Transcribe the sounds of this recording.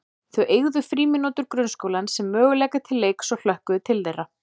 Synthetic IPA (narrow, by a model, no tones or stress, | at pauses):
θœʔeːɣðʏfɾiːmɪnoːt̪ʏɾkɾœnskowlansɛmːœːɣʏlɛːkat̪ʰɪlːejksɔɣl̥œhkʏðʏt̪ʰɪlθejra